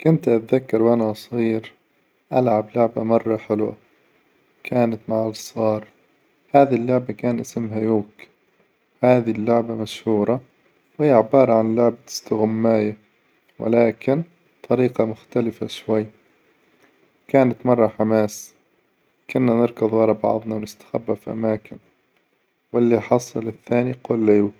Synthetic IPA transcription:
kʊnt̪ʔat̪ðakːɑɾˤwʔanasˤɣiːɾ | ʔalʕablʊʕbamɑrˤːɑħɪlwa̰ | kʰaːnat̪maʕalsˤɑːɾˤ | haːðilːʊʕbakaːnʔɪsmɦajuːk | haːðilːʊʕbamaʃhuːɾˤɑ | wɪjɪʕɪbɑːɾˤɑʕanlːʊʕbt̪ɪ̥st̪aɣʊmːaːja | wʔɪ̰laːkɪn | t̪ˤʰɑɾiːqɑmʊxt̪alɪfaʃwajː | kaːnat̪mɑrˤːɑħamaːs | kʊnːanɪɾˤkɨðˤwɑɾˤɑbɑ̰ʕðˤnɑwnɪst̪ḁxa̰bːafʔa̰maːkɪn | wɪlːiħɑsˤɑlɪθːaːniquːlːajuːk

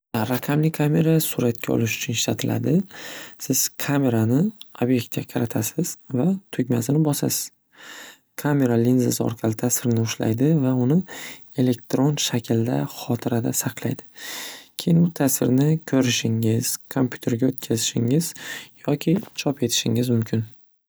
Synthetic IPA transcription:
ɾaqʰamlɪkʰamʲe̞ɾasʊɾat̪̚kʲaɒ̰lɪʃʊ̥t͡ʃʰʊnɪʃlat̪ʰɪlʔa̰d̪ɪsɪz̥kʰame̞ɾanɪobje̞k̚t̪̚kʲaqʰɑɾat̪ʰasɪz̥vat̪ʰɵkʲmasɪnɪbɒsa̰sɪ̥z̥ | kʰame̞ɾalinzɪ̰zɒ̰ɾqʰɑlɪt̪ʰasɪɾɪnɪʊʃla̰jd̪ɪvaʊnɪ | e̞le̞k̚t̪ɾo̞nʃakʲʰɪld̪a̰χɒt̪ʰɪɾad̪asɑqlˠa̰jd̪ɪkʲʰe̞jɪnbʊt̪ʰasɪɾnɪkʲʰɵɾɪʃɪŋɪz̥kʰompʰʲju̥t̪ʰe̞ɾɡʲaot̪̚kʲʰazɪʃɪŋɪz̥jɒkʲʰɪt͡ʃʰɒpe̞t̪ʰɪ̥ʃɪŋɪzmʊmkʲʰɪn

